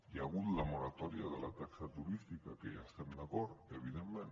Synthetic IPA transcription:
jaɣut̪lamoɾat̪ɔɾjaðəlat̪aksat̪uɾist̪ikakejaest̪ɛmd̪akɔɾeβ̞iðemmẽn

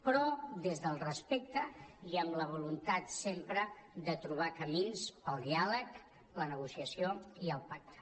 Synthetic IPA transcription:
pɾɔd̪ezðəlˠrəspek̚t̪əiəmləβ̞ulunt̪at̪sempɾəd̪ət̪ɾuβ̞akəminspəlˠd̪ialək | lənəɣusiəsioiəlˠpak̚t̪ə̥

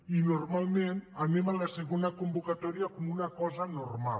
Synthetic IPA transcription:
inormalˠmenanemalaseɣonakumbukat̪ɔɾiakomunakɔzanorma̰

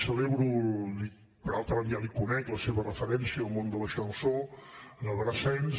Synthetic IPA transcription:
səleβɾuli | pəɾalˠt̪ɾəβənialikunɛkləseβərəfəɾɛnsiəːlˠmond̪ələʃənsoənəlˠrəsɛn

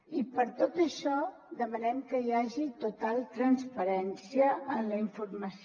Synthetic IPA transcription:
ipəɾt̪ot̪əʃɔ | d̪əmənɛmkəjaʒit̪ut̪alˠt̪ɾənspəɾɛnsiəʔənləiɱfurməs

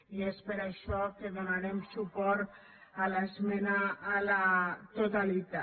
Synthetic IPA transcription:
iespeɾaʃɔkeðonaɾemsupɔɾt̪ | alazmɛnaːlat̪ot̪alit̪a

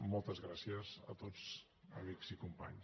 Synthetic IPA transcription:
mɔlˠt̪əzɣɾasiəzə̰t̪od͡z | əmikzikumpa̰ɲ

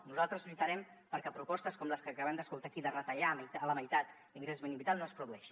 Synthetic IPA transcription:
nuzalˠt̪ɾəzʎit̪əɾɛm | pəɾkɛpɾupɔst̪əskɔmləskəkəβɛmd̪əskulˠt̪akiðərət̪əʎamələməjt̪at̪ | liŋɡɾezmeniβbit̪alˠnoəspɾuðuɛʃi̥

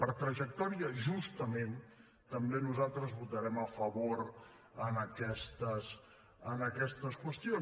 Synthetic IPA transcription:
pəɾt̪ɾəʒək̚t̪ɔɾiəʒust̪əmen | t̪əmbenuzalˠt̪ɾəzβut̪əɾɛməfəβoɾ | ənəkɛst̪əs | ənəkɛst̪əskwəst̪ion

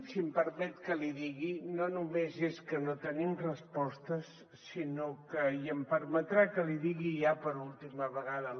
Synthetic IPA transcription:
simpəɾmɛt̪kəliðiɣinonumezeskənot̪ənimrəspɔst̪əsː | inokəjəmpəɾmət̪ɾakəliðiɣiʒapəɾulˠt̪iməβəɣaðə

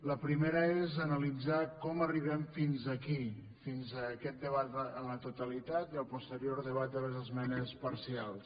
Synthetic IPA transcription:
ləpɾimeɾəezənəlid͡zakɔməriβ̞ɛmfinzəki | finzəkɛt̪̚d̪əβat̪ənlət̪ut̪əlit̪at̪iəlˠpust̪əɾioɾðəβ̞at̪̚d̪ələzəzmɛnəspəɾsialˠs

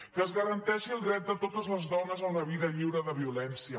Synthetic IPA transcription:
kəːzɣəɾənt̪ɛʃiəlˠdɾɛt̪̚d̪ət̪ot̪əzləzðɔnəzəunəβiðəʎiwɾəðəβiulɛnsiə

